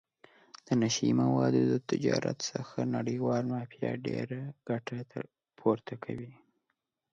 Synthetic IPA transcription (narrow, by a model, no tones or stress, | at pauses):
d̪̥ənaʃajimawɑd̪od̪ət̪ɪd͡ʒɑɾat̪səxanaɽəjwɑlmɑfjɑɖeɾaɡ̥aʈat̪ʰə | pʰoɾt̪ʰakʰawi